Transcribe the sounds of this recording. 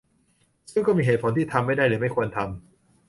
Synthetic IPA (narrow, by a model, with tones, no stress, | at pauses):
sɯ˥˩˨ŋkɔː˥˩miː˧ɦeː˨˩t̪pʰo˩˦nt̪ʰiː˥˩t̪ʰa˧mːa˥˩jda˥˩jɾɯː˨˦ma˥˩jkʰu˧ənt̪ʰa˧m